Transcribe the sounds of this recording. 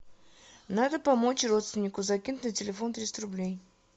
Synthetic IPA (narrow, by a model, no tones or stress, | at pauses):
nad̪əpɐmot͡ɕro̞t̪st̪vʲɪnʲːɪkʊzɐkʲinʊtʲnətʲɪlʲɪfo̞nt̪ɾʲit̪sət̪ʲrʊblʲej